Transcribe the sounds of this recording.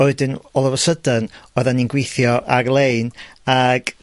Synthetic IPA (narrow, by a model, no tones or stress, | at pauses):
oɨdɨnɔlˠəvəsədənoːðanːinɡwejθjɔʔarlˠeɨnaɡ̥